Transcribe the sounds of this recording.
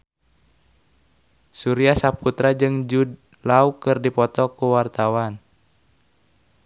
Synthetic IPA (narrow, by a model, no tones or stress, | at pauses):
suɾiasaput̪ɾad͡ʒɨŋd͡ʒud | laukɨrdipɔt̪ɔkuwart̪awan